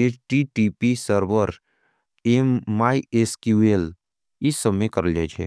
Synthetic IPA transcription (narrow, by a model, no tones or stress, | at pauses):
et͡ʃʈiʈipisəɾʋəɾ | emːaːieskjuel | ɪsːəmẽkəɾəld͡ʒaːt͡ʃʰḛ